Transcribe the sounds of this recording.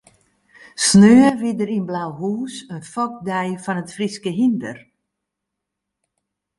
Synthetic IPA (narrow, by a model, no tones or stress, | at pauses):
snøːəʋɪdəɾinblawɦuːsənfɔk̚dɛjfɔnətfriskəɦində̰r